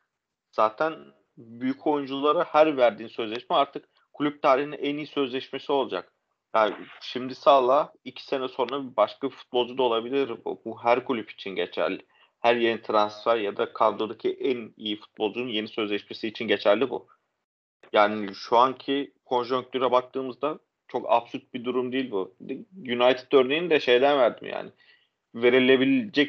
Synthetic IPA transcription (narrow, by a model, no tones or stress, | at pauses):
z̥aːt̪ʰæn | byjycʰo̞jund͡ʒulˠaɾahæɾvæɾd̪iːnsø̞zlʲɛʃmɛaɾt̪ʰɯk | kʰːulʲyp̚t̪ʰaːɾihinɛʔænijisø̞zlʲɛʃme̞sio̞lˠad͡ʒak | jaʃimd̪isaːlˠaicʰi̥se̞nɛso̞nɾabibaʃkafu̥t̪̚bo̞lˠd͡ʒud̪aolˠabilʲiɾbṵbuɦæɾkʰulʲypi̥t͡ʃʰinɟe̞t͡ʃʰæ̰lːʲɪ | hæɾje̞nit̪ʰɾansfæɾjad̪akʰand̪od̪acʰiʔænijifu̥t̪̚bo̞lˠd͡ʒununje̞nisø̞zlʲɛʃme̞siːt͡ʃʰinɟe̞t͡ʃʰæɾlʲːibṵ | jaːnɪʃuaɲcʰikʰo̞nʒuŋk̚t̪ʰyɾɛbak̚t̪ʰɯːmɯzd̪a | t͡ʃʰo̞ka̰bsuɾt̪̚bid̪uɾumd̪ijilʲbujynajt̪ʰi̥t̪ø̞ɾnejind̪ɛʃe̞jd̪ænvæɾd̪ḭmja̰ːnɪ | ve̞ɾilʲe̞bilʲd͡ʒɛc